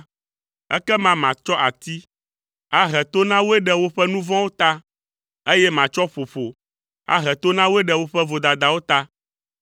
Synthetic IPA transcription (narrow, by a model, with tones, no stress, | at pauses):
ɛ̰˦kɛ˦mã˨mã˨t͡ʃɔ˦ʔa˨t̪i˦ | a˦ɦɛ˨t̪o˦nã˦wo˦ɛ˦ɖɛ˨wo˦ɸɛ˦nũ˦vɔ̃˦wo˦t̪a˦ | e˦jɛ˦mã˨t͡ʃɔ˦ɸo˨ɸo˨ | a̰˨ɦɛ˨t̪o˦nã˦wo˦ɛ˦ɖɛ˨wo˦ɸɛ˦vo˨d̪a˨d̪a˨wo˦t̪a˦